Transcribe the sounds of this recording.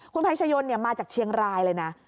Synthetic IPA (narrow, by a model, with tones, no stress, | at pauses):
kʰu˧npʰaː˧˦˥tʰt͡ɕʰaː˧t͡ɕʰo˧nːi˥˩ɐmaː˧t͡ɕaː˨˩k̚t͡ɕʰi˧əŋɾaː˧jlɤː˧jna˦˥ʔ